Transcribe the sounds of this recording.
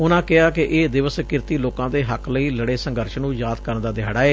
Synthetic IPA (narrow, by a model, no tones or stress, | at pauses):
ʊnãːkɪaːkɪʔeːd̪ɪʋəskɪɾt̪iːloːkãːd̪eːɦəkʰləiːləɽeːsə̃ŋɡəɾʃnũːjaːd̪kəɾənd̪aːd̪ɪjaːɽaːeː